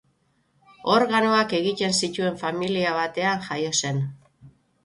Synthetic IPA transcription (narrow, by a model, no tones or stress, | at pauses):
o̞ɾɣano̞ake̞ɣit̪e̞nsit̪ue̞ɱfamiliaβ̞at̪e̞anʝajo̞se̞n